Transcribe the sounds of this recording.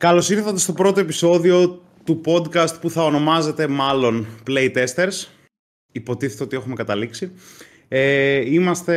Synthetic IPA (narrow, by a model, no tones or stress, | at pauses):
kɐlo̞siɾθɐt̪e̞st̪o̞pɾo̞t̪o̞episo̞ðio̞ | t̪upo̞d̪kɐst̪̚puθɐono̞mɐze̞t̪e̞mɐlo̞npleit̪e̞st̪e̞ɾs | ipo̞t̪iθe̞t̪eo̞t̪ie̞xumekɐt̪ɐliksi | eimɐst̪e̞